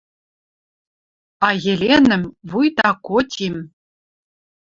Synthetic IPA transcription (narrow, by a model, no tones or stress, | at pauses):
ɑjɘ̆lʲenɘ̆mvujt̪ɑkotʲim